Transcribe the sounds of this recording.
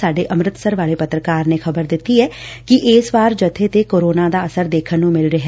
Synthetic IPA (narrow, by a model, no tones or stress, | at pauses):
aːɖeːʔəmɾɪt̪səɾʋaːleːpət̪ɾəkaːɾneːxəbəɾd̪ɪt̪ːiɦɛːkɪʔeːsʋaːɾd͡ʒət̪ʰːet̪eːkoːɾoːnaːd̪aːəsəɾd̪eːkʰənːũːmɪlɾəɦ